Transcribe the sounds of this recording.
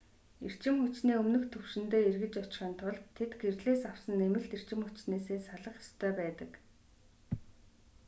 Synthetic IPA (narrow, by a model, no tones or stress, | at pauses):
ir̥t͡ɕɪ̆mxɵt͡ɕniːɵmnɵ̆xt̪ʰːɵwʃɪ̆nt̪eːerɣɘ̆t͡ɕɔt͡ɕɪ̆χə̆ːnt̪ʰʊɮt̪ʰːet̪ɡerɮeːsawsə̆nemɘ̆ɬt̪er̥t͡ɕɪ̆mxʊt͡ɕneːseːsaɮə̆χjɔ̥st̪ʰœːpæːt̪ə̆k